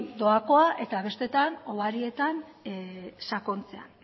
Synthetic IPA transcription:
d̪o̞ako̞aʔe̞t̪aβ̞e̞st̪e̞t̪ano̞β̞aɾie̞t̪an | sako̞nt͡se̞a̰n

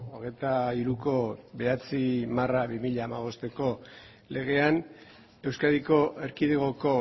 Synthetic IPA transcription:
oɣ̞e̞jt̪aiɾuko̞be̞at͡simaraβimiʎaːmaβ̞o̞st̪e̞ko̞ | le̞ɣ̞e̞an | e̞wskaðiko̞ʔe̞ɾkiðeɣoko̞

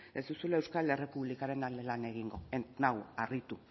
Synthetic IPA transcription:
ezd̪usulaewskale̞re̞puβlikaɾe̞nalelane̞ɣ̞iŋɡo̞enawarit̪u

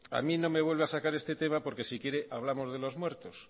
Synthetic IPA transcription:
a̰mĩno̞me̞β̞we̞lβe̞asakaɾe̞st̪e̞t̪e̞mapo̞ɾke̞sikje̞ɾe̞ʔaβ̞lamo̞zð̞e̞lo̞zmwe̞ɾt̪os

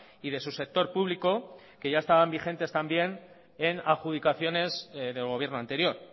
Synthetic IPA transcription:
iðe̞suse̞k̚t̪o̞ɾpuβliko̞ | ke̞ʝae̞st̪aβambixe̞nt̪e̞st̪ambje̞n | enaxuð̞ikaθjo̞ne̞zðe̞lɣ̞oβje̞ɾno̞ãnt̪e̞ɾjo̞ɾ

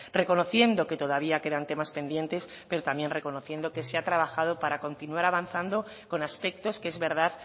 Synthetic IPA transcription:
re̞ko̞no̞θje̞nd̪o̞ke̞t̪oðaβiake̞ðant̪e̞maspe̞nd̪je̞nt̪e̞spe̞ɾot̪ambje̞nre̞kono̞θje̞nd̪o̞ke̞seat̪ɾaβ̞axaðo̞paɾako̞nt̪inuaɾaβanθand̪o̞ | ko̞naspe̞k̚t̪o̞skeezβe̞ɾð̞að

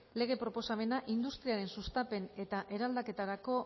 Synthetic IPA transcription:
le̞ɣ̞e̞pɾopo̞same̞naʔind̪ust̪ɾiaɾe̞nsust̪ape̞ne̞t̪aʔe̞ɾald̪ake̞t̪aɾako̞

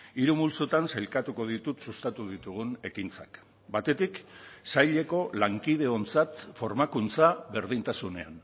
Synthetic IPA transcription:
iɾumult͡sot̪ansajlkat̪uko̞ð̞it̪ut̪sust̪at̪uðit̪uɣ̞une̞kint͡sa̰k | bat̪e̞t̪iksajʎe̞ko̞laŋkið̞e̞o̞nt͡sat̪fo̞ɾmakunt͡saβe̞ɾðint̪asune̞a̰n

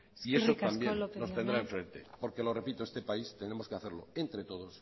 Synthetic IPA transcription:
iesot̪ambjenno̞st̪end̪ɾaeɱfɾe̞nt̪e̞po̞ɾke̞lo̞re̞pit̪oest̪e̞paist̪e̞ne̞mo̞skeaθe̞ɾlo̞e̞nt̪ɾe̞t̪o̞ð̞o̞s

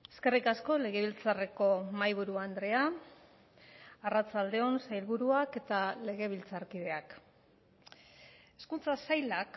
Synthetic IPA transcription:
eske̞rikasko̞le̞ɣe̞β̞ilt͡sare̞ko̞majβ̞uɾuand̪ɾe̞a | arat͡sald̪e̞o̞nsajlβuɾuake̞t̪ale̞ɣ̞e̞β̞ilt͡saɾkið̞e̞ak | e̞skunt͡sasajlak

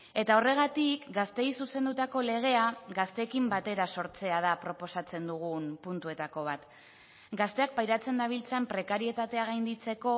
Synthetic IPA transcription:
e̞t̪ao̞re̞ɣ̞at̪ikɡast̪e̞jsuse̞nd̪ut̪ako̞le̞ɣ̞e̞aɡast̪e̞ːkimbat̪e̞ɾaso̞ɾt͡se̞að̞apɾo̞po̞sat͡se̞nd̪uɣ̞unpunt̪ue̞t̪ako̞β̞at̪ | ɡast̪e̞ak̚pajɾat͡se̞nd̪aβ̞ilt͡sampɾe̞kaɾie̞t̪at̪e̞aɣajnd̪it͡se̞ko̞

